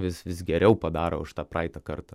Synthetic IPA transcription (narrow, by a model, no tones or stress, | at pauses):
ʋʲɪsʋʲɪsɡʲɛɾʲɛʊpɐd̪ɑːɾoʊʃt̪ɑːprɑɪt̪ɐkɐrt̪ɐ